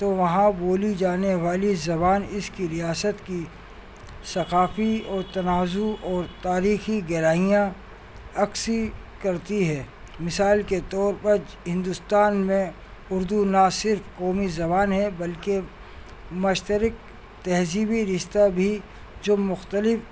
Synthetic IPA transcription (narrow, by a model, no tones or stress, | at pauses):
t̪oʋɐɦãboːlid͡ʒaːneʋaːlizɐbaːnɪskiɾijaːsət̪ki | sɐqaːfiɔːɾt̪ɐnaːzuʔɔːɾt̪aːɾiːxiɡɛɾaːɦijã | ɐksikɐɾt̪iɦɛː | mɪsaːlket̪ɔːɾpɐɾ | ɦɪ̃nd̪ʊst̪aːnmẽ | ʊɾd̪unasɪɾfkɔːmizɐbaːnɦɛbɐlke | mʊʃt̪əɾɪk̚ | t̪ɛɦziːbiɾɪʃt̪abʱi | d͡ʒoːmʊxt̪əlɪf